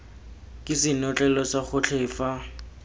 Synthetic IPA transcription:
kʼɪsɪnɔt͡ɬʼɛlɔsaχʊt͡ɬʰɪːfa

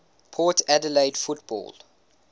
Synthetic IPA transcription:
pʰɔːtʰædəleɪdfutbɔ̰ːl

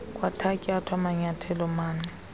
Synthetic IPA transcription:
kʼwatʰakʼiatʰwamaɲatʰɛlɔmaːnɛ

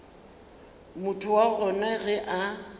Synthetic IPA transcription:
mʊtʰʊwaɣɔnɛɣɛʔa

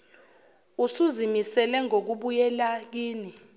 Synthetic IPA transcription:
usuzimisɛlɛŋok̬uɓujɛlak̬iːni

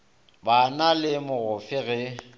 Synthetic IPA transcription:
banalɪmʊɣʊfɪɣɛ

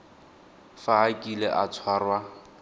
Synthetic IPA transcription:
faːkʼileʔat͡sʰwarwa

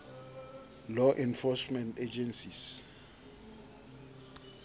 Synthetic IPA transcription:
lɔʔɛ̃nfɔsmɛ̃nted͡ʒɛnsis

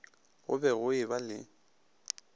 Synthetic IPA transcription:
ɣʊ̰bɛɣʊɪbalɪ

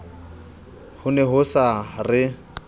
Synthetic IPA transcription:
hʊnɛɦʊsarɪ

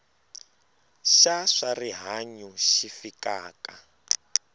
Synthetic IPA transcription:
ʃaʂariɦaɲuʃifikaːka

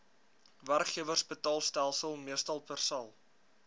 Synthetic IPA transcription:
værkχiəvərsbətɑːlˠstælˠsəlˠmiəstɐlˠpərsɐlˠ

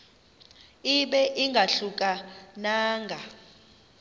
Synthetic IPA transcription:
iɓɛʔiŋɡʱaɬuk̬ʼanaːŋɡʱa

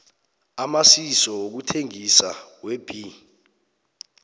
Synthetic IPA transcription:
amasisɔok̬utʰeŋisaweb̥ʱi

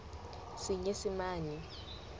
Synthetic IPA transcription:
siɲesimaːni

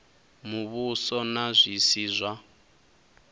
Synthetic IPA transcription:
muβusɔnazʷisiːzʷwa

